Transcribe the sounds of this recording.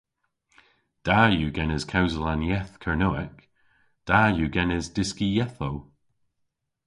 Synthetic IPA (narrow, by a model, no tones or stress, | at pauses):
d̥ajuːɡɛnəz̥kʰawzəlˠanjɛθkʰəɹnoɪk | d̥ajuɡɛnɛzd̥ɪskijɛθow